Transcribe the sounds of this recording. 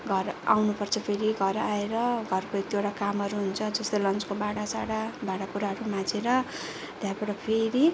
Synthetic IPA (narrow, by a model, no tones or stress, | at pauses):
ɡʱʌra̰wnupʌrt͡sʰʌpʰeɾiɡʱʌɾaeɾʌɡʱʌrkot̪joʈakamʌɾuɦunt͡sʰʌd͡zʌst̪alʌnt͡skobaɽasaɽabaɽakuɾaɦʌɾumãd͡zeɾʌ | t̪japaʈʌpʰeɾi